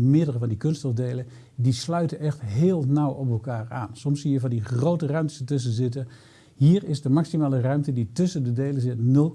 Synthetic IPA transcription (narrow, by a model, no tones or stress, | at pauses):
mɪədərəvɑndikɵnstɔvdejlə | dislœɥtəɛxtɦɪːlˠnawɔp̬ɛlˠkaːɹa̰ːnsɔmsijəvɑndiχrowtərœɥmtə̥sətʏs̬ənzɪtə | ɦiːəɹɪsdəmaksimaːlərœɥmtəditɵsəndədejləzɪtno